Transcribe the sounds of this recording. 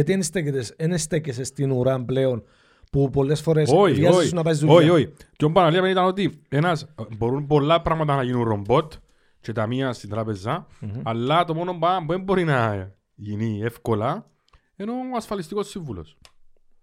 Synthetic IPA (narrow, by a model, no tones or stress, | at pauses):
ɐt̪ienst̪eket̪esenest̪ecesest̪inuɾɐmpleo̞n | pupo̞lːe̞sfo̞ɾe̞soiviɐzisunːɐpɐizd̪uoioicombɐnɐliɐmenit̪ɐno̞t̪ienɐsbo̞ɾumpo̞lːɐpɾɐɣmɐt̪ɐnɐʝinunro̞mbo̞t̪ | t͡ʃe̞t̪ɐmiɐst̪int̪ɾɐpezɐːlːɐt̪o̞mo̞no̞mbabuembo̞ɾinɐ | ʝinie̞fko̞lɐ | eno̞ɐsfɐlist̪iko̞sːiɱvulo̰s